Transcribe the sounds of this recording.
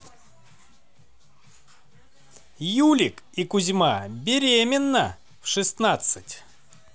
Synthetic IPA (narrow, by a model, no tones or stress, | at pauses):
julʲɪkikʊzʲmabʲɪɾʲemʲɪnːə | fʂɨst̪nat̪sɨtʲ